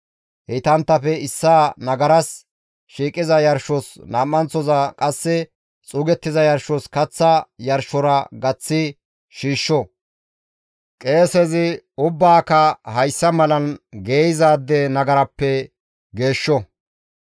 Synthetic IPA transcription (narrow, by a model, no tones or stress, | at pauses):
hɛt̪ɐnt̪ːɐfɛɪsːaːnɐɡɐɾɐs | ʃiːkʼɪzɐjɐɾʃːɔsnaːmːɐnt͡sːɔzakʼɐsːɛ | t͡sʼʊɡɛt̪ːɪzɐjɐɾʃɔskɐt͡sːɐjɐɾʃɔɾɐɡɐt͡sːɪ | ʃiːʃːɔ | kʼe̞ːsɛzɪʊbːaːkɐhɐjsːɐmɐlɐnɡeːjɪzaːd̪ːɛnɐɡɐɾɐpːɛ | ɡe̞ːʃːɔ